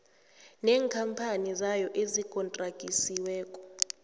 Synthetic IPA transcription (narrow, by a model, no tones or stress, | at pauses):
nɛːŋkʰampʰanizajɔʔezikʼɔntʼrakʼisiwɛːkʼɔ̥